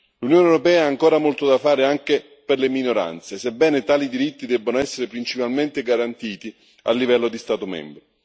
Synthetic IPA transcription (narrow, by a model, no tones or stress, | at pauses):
lunjoːnewɾopɛːaaːŋkoːɾamolt̪od̪afaːɾeaŋke | perleminoɾa̰nt̪sesebːɛːnet̪aːlid̪iɾit̪ːid̪ɛbːonoɛsːeɾepɾint͡ʃipalment̪ɪɡaɾant̪iːt̪i | a̰lːivɛlːod̪ist̪aːt̪omɛ̰mbɾo